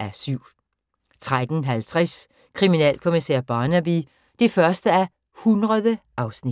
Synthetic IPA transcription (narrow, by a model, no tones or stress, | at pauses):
ʔæɐsyʊ̰ | t͡sʰʁad̥n̩ɦælt͡sʰʁɛs | kʰʁiminɛ̰ːlkʰo̝miseɐ̰b̥ɑ̈ːnæb̥i | d̥ifɶɐsd̥əæ | hunʁɐðˠəʔɑ̈ʊsnid̥